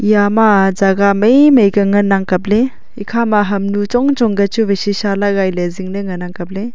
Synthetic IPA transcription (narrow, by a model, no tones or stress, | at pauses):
ijamazaɡamejmejɡɐŋɐnaŋkɐp̚le | ikʰamaɦɐmnut͡ʃɔŋt͡ʃɔŋɡɐt͡ʃubesisalaɡajleziŋnɐŋɐnaŋkɐp̬̚le